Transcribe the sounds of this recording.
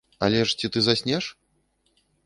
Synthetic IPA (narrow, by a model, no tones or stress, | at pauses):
a̰lʲɛʂt͡sʲit̪ɨzasʲnʲɛʂ